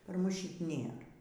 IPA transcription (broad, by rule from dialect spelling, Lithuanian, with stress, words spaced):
pɐr ˈmʊs ˈʃʲɪtʲ ˈnʲeːrɐ